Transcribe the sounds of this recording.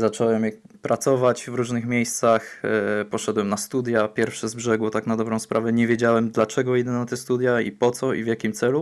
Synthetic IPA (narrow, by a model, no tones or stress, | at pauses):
zat͡ʂɔwɛmɛpɾat̪sɔvat͡ɕvɾuʐnɘxmʲjejst̪saxpɔʂɛd̪wɛmnast̪ud̪japʲjɛɾfʂɛzbʐɛɡwɔt̪aknad̪ɔbɾɔ̃spɾʔavɛɲɛvʲjed͡ʑawɛmd̪lat͡ʂɛɡɔjid̪ɛnat̪ɛst̪ud̪jaḭpɔt̪sɔḭvʲjakʲimt̪sɛlu